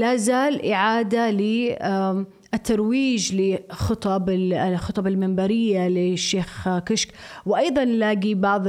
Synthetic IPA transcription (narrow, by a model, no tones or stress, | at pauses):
laːzaːlʔɪʕaːd̪ali | ʔɪt̪ʰːɑɾˤwiːd͡ʒlɪxɨt̪ˤɑbɪxɨt̪ˤɑbɪlmɪmbɑɾɪjːalɪʃːeːxkɪʃkwʔɑjðˤɑnlaːɡibɑʕðˤ